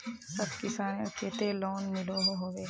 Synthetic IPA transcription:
sɐbkɪsaːnet͡ʃeːt̪elɔːnmɪloɦoɦoːɡeː

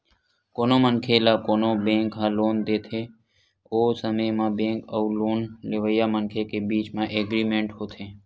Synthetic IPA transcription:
koːnomənkʰelaːkoːnobẽːŋkɦãloːnd̪eːt̪ʰe | oːsəməjmãbẽːkəuloːnleʋəjamənkʰekebiːt͡ʃmãʔeːɡɾiːmẽːɳʈɦoːt̪ʰẽː

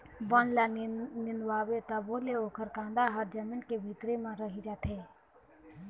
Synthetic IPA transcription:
bɔnlanɪnwaːwet̪aboːleoːkəɾkãːnd̪aɦəɾd͡ʒəmiːnkebʱit̪ɾemãɾəɦid͡ʒaːt̪ʰeː

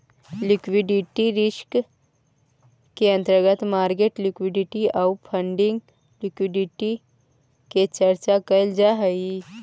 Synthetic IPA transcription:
lɪkʋɪɖɪʈiɾɪʃk | keə̃nt̪əɾɡət̪maːɾɡeʈlɪkwɪɖɪʈiawpʰə̃ɳɖɪ̃ŋɡ | lɪkwɪɖɪʈi | ket͡ʃɐɾt͡ʃakəld͡ʒaɦəi

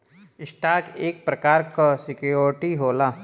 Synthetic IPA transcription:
ɪsʈaːkeːk̚pɾɐkaːɾkasɪkjoːɾɪʈiɦoːlaː

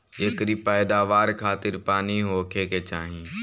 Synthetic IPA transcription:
eːkɾiːpɛːd̪aːʋaːɾkʰaːt̪ɪɾpaːniɦoːkʰeːket͡ʃaːɦĩ

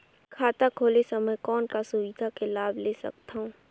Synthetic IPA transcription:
kʰaːt̪akʰoːlesɐməjkɔːnkasʊʋid̪ʱakelaːbleːsɐ̰k̚t̪aɦũː

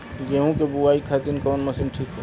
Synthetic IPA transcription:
ɡeɦũkebuwaːikʰat̪inkɔːnmɐsinʈʰiːkɦɛ

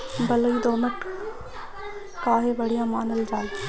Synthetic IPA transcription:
bɐləiːd̪oːnəʈ | kaːɦeːbɐɽ̤ijãːmaːnəld͡ʒaːl

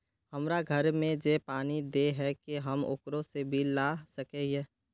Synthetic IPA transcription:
hɐmɾaɡʱəɾmẽd͡ʒepaːnid̪eɦɛkeɦəmʊ̰kɾõsebʱilasəkeeː

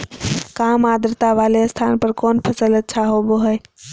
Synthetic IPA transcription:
kamad̪ɾət̪aʋaleəst̪ʰanpəɾkɔnpʰəsələt̪̚t͡ʃʰaɦoboɦəj

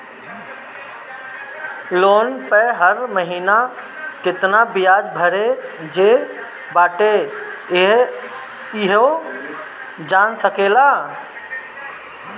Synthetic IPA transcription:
loːnpəɦəɾməɦiːna | kɪt̪nabɪjaːd͡ʒbʱəɾed͡ʒeː | baːʈe | ɦ | ɪɦo | d͡ʒaːnsəkelaː

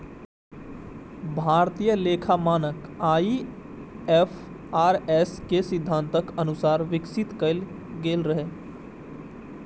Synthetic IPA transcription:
bʱaːɾt̪ijəleːkʰaːmaːnəkaːi | ɛːfʰ | aːɾɛːskesɪd̪ʱːãːnt̪əkənʊsaːɾʋɪksɪt̪kəl | ɡeːlɾəɦeː

